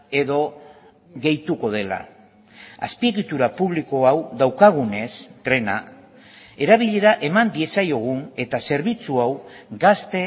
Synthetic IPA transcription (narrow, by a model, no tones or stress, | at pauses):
e̞ðo̞ | ɣe̞jt̪uko̞ð̞e̞la̰ | a̰spieɣit̪uɾapuβliko̞awðawkaɣ̞une̞st̪ɾe̞na | e̞ɾaβ̞iʎe̞ɾaʔe̞mand̪ie̞sajo̞ɣ̞une̞t̪ase̞ɾβ̞it͡suawɡast̪e̞